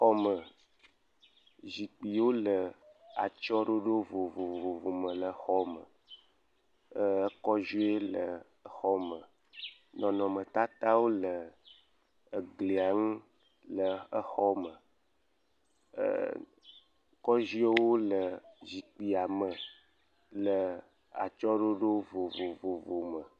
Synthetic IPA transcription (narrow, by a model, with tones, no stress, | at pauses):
xɔ˦mə˨ | zi˨k͡pi˨wo˦lə˨a̰˨t͡ʃɔ˦ɖo˦ɖo˦vo˨vo˨vvo˨vo˨mə̃˨lə˨xɔ˦mə̰˨ | ə˦kɔ˦ʒi˦e˦lə˨˦ | xɔ˦mə˨ | nɔ̃˨nɔ̃˨mə˨t̪a˦t̪a˦wo˦lə˨ | ɡli˨a˨ŋũ˦ | lə˨ə˦xɔ˦mə̰˨ | kɔ˦ʒi˦e˦wo˦lə˨zi˨k͡pi˨a˨mə˨ | lə˨ | a̰˨t͡ʃɔ˦ɖo˦ɖo˦vo˨vo˨vo˨vo˨mə˨